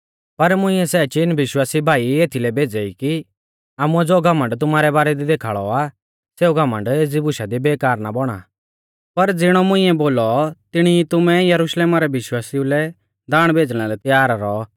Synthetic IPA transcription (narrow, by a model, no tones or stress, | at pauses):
pɐɾmʊ̃ɪ̃ːɛsɛːt͡ʃinʋɪʃwaːsibʱaːieːt̪ʰilɛbʱeːd͡zəiki | aːmuɛd͡zoːɡʱɐmə̃ɳɖt̪̬ʊmaːɾɛbaːɾɛd̪id̪eːkʰaːɭɔa | seːuɡʱɐmə̃ɳɖeːd͡zibʊʃad̪ibeːkaːɾnabɔɽ̃a̰ | pɐɾd͡zɪɽ̃ɔmʊ̃ɪ̃ɛboːlɔt̪ɪɽ̃it̪ʊmɛjɐɾʊʃleːmaɾɛʋɪʃwaːsiũlɛ | d̪aːɽ̃bʱeːd͡zɽ̃alɛt̪jaːɾɾɔː